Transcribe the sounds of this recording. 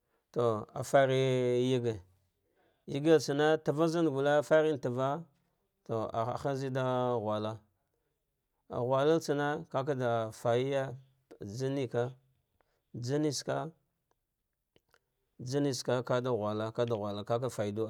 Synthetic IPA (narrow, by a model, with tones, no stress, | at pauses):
to˨a̰˨fa˦ɾi˦ji˦ɡe˨ | ji˦ɡa˦lt͡sa˨na˦ta˨va˦za˦n˨ɡu˨la˦fa˦ɾi˦nta˨va˦ | to˨a̰˨a̰˨xa˦zi˦da˦˨ɣwa˨la˦ | a̰˨ɣwa˨la˦lt͡sa˨na˦ka˦k̬a˦da˨fa˨ji˦ja˦ | d͡ʒa˦ni˦ka˦ | d͡za˦ni˦ska˦ | d͡ʒa˦ni˦ska˦ka˦da˨ɣwa˨la˦ka˦da˨ɣʷa˨la˨ka˦k̬a˦fa˨i˨du˦˨